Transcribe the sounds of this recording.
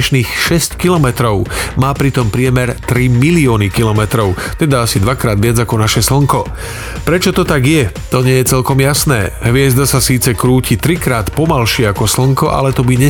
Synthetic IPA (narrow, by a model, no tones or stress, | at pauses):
ʃniːxʃɛsckilɔmɛt̪ɾɔʊmaːpɾit̪ɔmpɾɪɛmɛɾt̪ɾimiliɔːnikilɔmɛt̪ɾɔʊt̪ɛd̪aasid̪ʋakɾaːd̪ʋɪad͡zakɔnaʃɛsl̩ŋkɔ | pɾɛt͡ʃɔt̪ɔt̪aɡjɛ | t̪ɔɲɪɛjɛt͡sɛlkɔmjasnɛːɦʋɪɛzd̪asasiːt͡sɛkɾuːcit̪ɾikɾaːt̪pɔmalʃɪɛakɔsl̩ŋkɔʔa̰lɛt̪ɔbiɲɛ